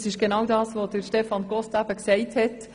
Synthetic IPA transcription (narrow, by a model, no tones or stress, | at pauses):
sɪʃɡ̥enɑwdɑːsʋodəɾʃtɛfɑnɡɔstæb̥əksɛɪthɛt